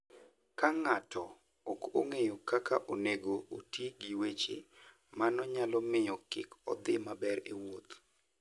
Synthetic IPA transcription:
kaŋatʰɔ | oko̰ŋejokakaʔoneɡootiɡiwet͡ʃḛ | manɔɲalɔmɪjɔkɪ̰kɔ̰d̪ɪmabɛɾḛwot̪

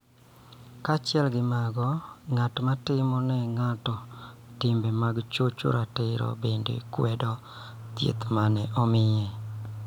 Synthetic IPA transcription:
kat͡ʃɪɛlɡɪmaɡɔŋatmatɪmɔnɛŋatɔtɪmbɛmaɡt͡ʃot͡ʃo̰ɾatɪɾɔ̰bendḛkwɛdɔ | t̪jḛt̪manɛʔɔmɪjɛ

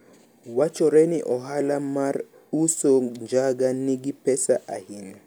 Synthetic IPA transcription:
wat͡ʃɔɾɛniʔɔɦalamaɾ | usoɲd͡ʒaɡaniɡipɛsa̰ʔahinɔ

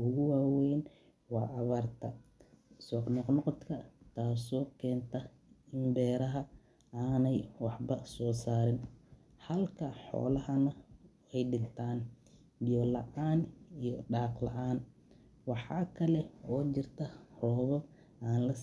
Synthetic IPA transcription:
ʊɣʊwaːwɛjn | wɑːʔɑβaːrt̪ʰɐ | sɔːqnɔqnɔqɔt̪kʰɐt̪ʰaːsɔːkʰɛːnt̪ʰɐ | ɪnbɛːɾɐɦɐ | aːnɛjwɑħbɐsɔːsaːɾɪn | hɐlkʰɐħɔ̰ːlɐɦɐnɐ | ɛjɖɪnt̪ʰaːn | bɪjɔːlɐ̰ʕaːnijɔɖaːqlɐ̰ʕaːn | wɑħɑːkʰɐlɛɔːt͡ʃɪrt̪ʰɐrɔːβɔ | aːnlɐ

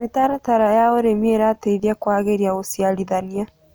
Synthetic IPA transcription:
metaɾataɾajaɔɾemieɾatɛiðiakwaːɣeɾiaosialiðania

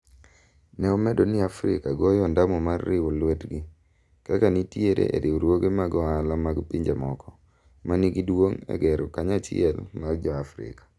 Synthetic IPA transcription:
nɛɔmɛdonɪafɾɪkaɡɔjɔndamɔmarːɪwolwetɡɪ | kakanitjeɾʔḛʔḛɾɪwoɾwoɡemaɡɔalamaɡpiɲd͡ʒemɔkɔ | manɪɡidwoŋɛ̰ɡɛɾɔkaɲat͡ʃɪɛlmard͡ʒɔafɾɪ̰kḁ

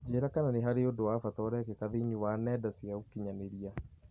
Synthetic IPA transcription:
d͡ʒeːɾakananeɦaɾeodowafatɔɾɛkɛkaðeɲuwanɛdasiaokiɲaneɾia

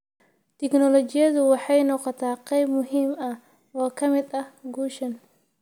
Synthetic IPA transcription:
t̪ʰɪknɔlɔt͡ʃɪjɐðʊwɑħɑjnɔːqɔt̪ʰaːqɛjbmʊɦiːmɐh | wɑːkʰɐmɪd̪ɐhɡuːʃɐn

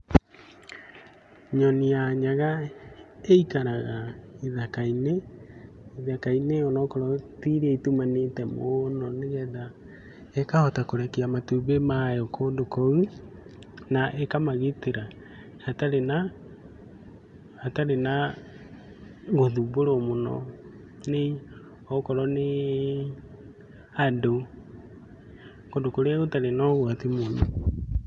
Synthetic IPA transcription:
ɲɔniaɲaɣa | eikaɾaɣaiðakaine | iðakaineɔnɔkɔɾɔtiɾɛitumanetɛmonɔneɣɛða | ekahɔtakoɾɛkiamatuβemajɔkoːndokɔu | naʔekamaɣiteɾa | hataɾena | taɾena | ɣoðuboɾomonɔ̰ | ne | ɔkɔɾɔne | ado | kondokoɾeaɣotaɾenɔɣwatimonɔ

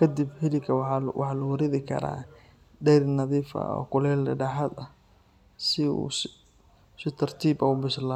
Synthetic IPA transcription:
kʰɐd̪ɪbhɪlɪkʰɐwwʔɑħɑlɐwɐɾɪðɪkʰɐ̰ɾa̰ː | ɖɛɾnɐðiːfɐ̰ɔ̰ːkʊlɛːlːɛɖɑħad̪ɐ | sɪṵs | sɪt̪ʰɐrt̪ʰiːbɐʊbɪsla

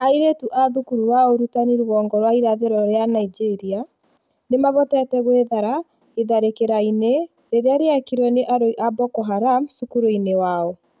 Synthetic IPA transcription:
aiɾetuʔaðukuɾuwaɔoɾutaniɾwɔːŋɡɔɾwaiɾaðeɾɔɾeanaid͡ʒeɾia | nemaβɔtɛtɛɣweðaɾa | eðaɾekeɾaine | ɾeɾeaɾeakiɾwɛneʔaɾoiʔabɔkɔɦaɾamsukuɾoinewaɔ

